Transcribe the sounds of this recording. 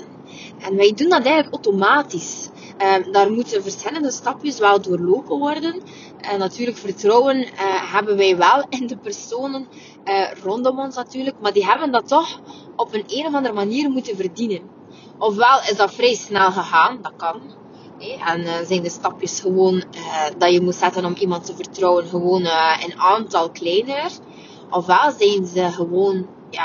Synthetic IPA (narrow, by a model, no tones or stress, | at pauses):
ɛnʋɛjdundɑtɛjɣənləkowtomaːtis | daːrmutənvərsxɪlˠəndəstɑpjəsʋɛlˠdoːrloːpənʋɔrdən | nːatyːrləkfərtrɔwənɦɛbənʋɛjʋɛlˠɪndəpərsoːnənː | rɔndɔmɔnsnatyːrləkmaːrdiɦɛbəndɑtːɔxɔpəneːnɔvɑndərəmaniːrmutənvərdinən | ɔfʋɛlˠɪzdɑtfrɛjsnɛlˠɣəɣaːndɑt̚kɑn | ɦɛʔɛnːzɛjndəstɑpjəsxəʋoːndɑjəmutsɛtənɔmimɑntəvərtrɔwənɣəʋoːnənaːntɑlˠklɛjnər | ʔɔfʋɛlˠzɛjnzəɣəʋoːn | jaː